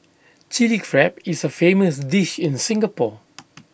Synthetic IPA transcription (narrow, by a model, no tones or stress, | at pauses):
t͡ʃilifɹɛpɪsəfeməsdɪʃɪ̃nsɪ̃ŋɡəpɔ